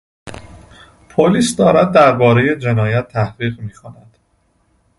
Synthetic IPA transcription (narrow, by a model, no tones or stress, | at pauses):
pʰoliːsd̪ɒːɾæd̪̚ːæɾbɒːɾe̞je̞d͡ʒe̞nɒːjæt̪ʰːæhʁiːɣmiːxʰonæd̪̥